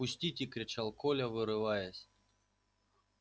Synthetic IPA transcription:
ʊsʲtʲitʲikɾʲɪt͡ʃalˠkolʲɐvɨɾɨvajɐsʲ

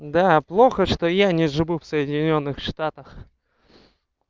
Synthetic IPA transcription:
d̪aplˠo̞xəʂt̪ojanʲɪʐɨvufsəjɪdʲɪnʲo̞nːɨxʂt̪at̪əx

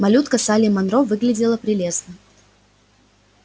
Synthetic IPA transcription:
mɐlʲut̪kəsalʲɪmɐnɾovɨɡlʲɪdʲɪlˠəpɾʲɪlʲe̞snə

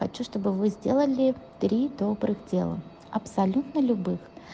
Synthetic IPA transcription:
xɐt͡ɕuʂt̪obɨvɨzʲdʲelˠəlʲɪt̪ɾʲid̪obɾɨxdʲe̞̰lˠə̰ | ɐpsɐlʲut̪nəlʲʊbɨx

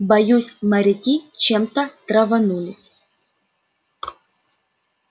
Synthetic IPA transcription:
bɐjusʲmɐɾʲɪtʲit͡ʃɛmt̪ɐt̪ɾɐvɐnulʲɪsʲ

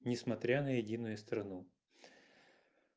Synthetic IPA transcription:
nʲɪsmɐt̪ɾʲanəjɪdʲinʊjʊst̪ɾɐnu

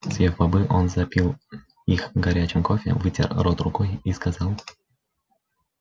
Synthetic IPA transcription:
sʲjʲevbɐbɨʔonzɐpʲilˠ | ixɡɐɾʲæt͡ɕɪmkofʲɪ̰vɨtʲḛrrot̪rʊkojiskɐzɑlˠ

